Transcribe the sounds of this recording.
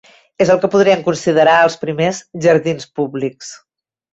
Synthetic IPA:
ezəlˠkəpuðɾiəŋkunsiðəɾaəlˠspɾimezʒəɾðinspuβliks

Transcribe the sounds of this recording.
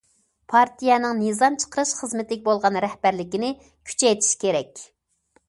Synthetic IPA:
pʰɑɾt̪ijɛnɨŋnɨzɑmt͡ʃʰə̥qəɾɨʃχəzmɪt̪ɪɪk̚ʲbolˠʁɑnɾɛhbæɾlɪkʲinɪ | kʲʰy̥t͡ʃʰɛjt̪ʰi̥ʃkʲeɾɛkʲ

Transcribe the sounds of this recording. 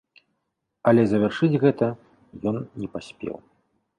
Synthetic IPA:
ɐlʲɛzɐvʲarʂɨd͡zʲɣɛt̪ɐ | jɔnnʲɛpasʲpʲɛ̰w

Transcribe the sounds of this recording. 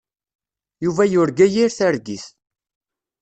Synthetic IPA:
juvæjʊɾɡæjiɾθaɾɡiθ

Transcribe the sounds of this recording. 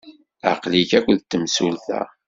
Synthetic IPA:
a̰qliçækʷəðt̪ːəmsulθæ̰

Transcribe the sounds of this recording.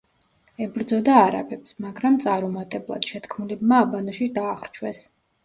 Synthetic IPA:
ɛbɾd̪zɔd̪aːɾa̰pʰɛpsmaɡɾamt̪sʼaɾɔmat̪ʼɛblˠa̰d̪̥ʃɛt̪kʰmulɛbmaːbanɔʃid̪aːχɾt͡ʃʰwɛs

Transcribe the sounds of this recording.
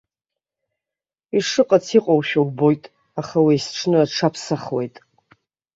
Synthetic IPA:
iʂɨqʼat͡sʰiqʼowʃᶣowbo̞jtʼ | aχawijsʈ͡ʂʰnɨaʈ͡ʂʰapʰsaχwe̞̰jtʼ

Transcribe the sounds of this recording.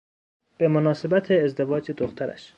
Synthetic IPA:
b̥emonɒːse̞bæt̪ʰeːzd̪e̞vɒːd͡ʒed̪oxt̪ʰæɾæ̰ʃ

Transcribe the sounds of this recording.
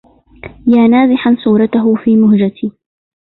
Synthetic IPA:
jaːnaːzɪħansuːɾˤɑt̪ʊɦʊfiːmʊhd͡ʒat̪ʰɪ

